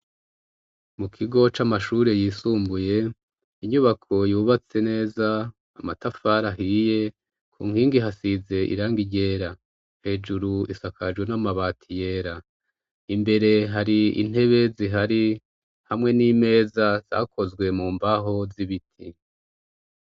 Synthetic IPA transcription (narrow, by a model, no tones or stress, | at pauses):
mukʰiɡo̞t͡ʃamaʃuːɾe̞jiːsuːmbuje̞ | iɲuβakʰo̞juːβat͡se̞ne̞ːzaː | matafaɾaɦiːje̞ | kʰṵːŋhiːŋɡiɦasize̞ʔḭɾaːŋɡiɟe̞ːɾa | he̞ːd͡ʒuɾuisakʰad͡ʒwenamaβaːtʰije̞ːɾa | imbe̞ɾe̞ɦaɾiḭn̥he̞βe̞ziɦaɾi | hamŋe̞niːme̞ːzaz̥a̰kʰo̞zɡwe̞muːmbaɦo̞ziβitʰi